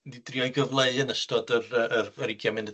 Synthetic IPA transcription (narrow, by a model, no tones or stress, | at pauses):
didriɔjɡəvlˠeɨənəstɔdərəʔərəɾɪɡjamɛnə